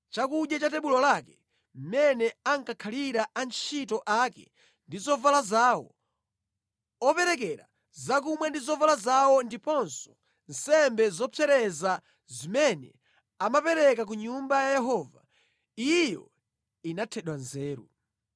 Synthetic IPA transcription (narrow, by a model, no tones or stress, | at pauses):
t͡ʃakuɗjat͡ʃatɛɓulɔlakɛ̥ | m̩mɛnɛaŋkakʰaliɾaʔant͡ʃʰitɔʔakɛ̰ | ndizɔvalazaːwɔ̰ | ɔpɛɾɛkɛɾa̰ | zak̬umwɛndizɔvalazawɔndipɔnsɔ̥ | n̩sɛmbɛzɔpʰɛɾɛza | zimɛnɛ | amapɛɾɛkak̬uɲumbajajɛɦɔːva̰ | ijɔ̰ | inatʰɛɗwanzɛːɾṵ